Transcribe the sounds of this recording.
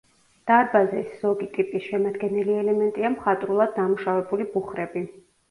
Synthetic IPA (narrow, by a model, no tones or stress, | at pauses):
d̪̥aɾbazɛsz̥ɔɡit̪ʼipʼisʃɛmad̪ɡɛniliɛlɛmɛnt̪ʼiamχat̪ʼɾulˠad̪ːamuʃavɛbulibuχɾɛbi